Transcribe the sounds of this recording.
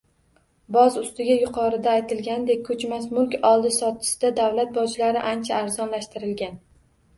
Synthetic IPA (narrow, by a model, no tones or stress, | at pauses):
bɒzʊst̪ɪɡʲajʊqʰɒɾɪd̪aːjt̪ʰɪlɡʲand̪ek̚ʲkʰɵt͡ʃmasmʊlˠkʲɒlˠd̪ɪsɒt̪̚t͡ʃʰɪ̥sɪd̪ad̪awlat̪̚bɒd͡ʒlaɾɪʔant͡ʃʰaːɾzɒnlaʃt̪ɪɾɪlɡʲan